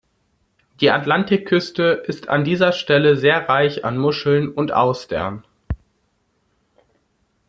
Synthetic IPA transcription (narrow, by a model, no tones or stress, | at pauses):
d̥iːatlantɪkʰːʏstəʔɪstʰa̰ndiːzɐʃtɛləzeːɐʁaɪça̰nmʊʃl̩nʊntʔa̰ʊsd̥ɛ̰ɐn